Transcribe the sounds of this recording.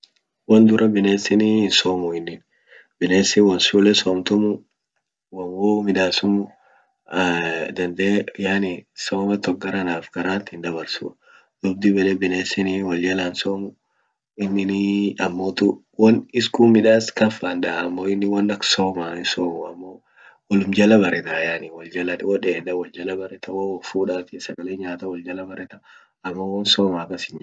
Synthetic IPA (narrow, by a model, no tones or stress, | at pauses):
wɐnd̪ʊɾɐbɪneːsɪnisoːmʊɪnːɪn | bɪneːsɪwɐnsulɛsɔːmt̪ʊmʊ | wɐwɔːmɪᶑ̪aːsʊmʊ | d̪ɐnd̪eːjaːnɪsoːmɐt̪ɔk̚ɡɐɾɐnaːfkɐɾaːnt̪ɪnd̪ɐbɐɾsṵ | d̪ʊb̚d̪ibɛᶑɛbɪneːsɪniːwɐljɐlaːnsoːmʊ | ɪnːɪniɐmːoːt̪ʊ | wɐnɪskuːmɪᶑaːskɐfand̪ɐɐmːoːɪnːɪwɐnːɐksoːmasoːmʊɐmːoː | wɔlʊmd͡ʒɐlɐbɐɾʔɛt̪ɐjaːnɪwɔld͡ʒɐlɐwɔᶑeːd̪ɐwɔld͡ʒɐlɐbɐrɛt̪ɐwowfuːᶑaːt̪ɪsɐɡɐleːɲaːt̪ɐwɔld͡ʒɐlɐbɐɾɛt̪ɐ | ɐmːowɐnsoːmɐːkːɐsɪɲ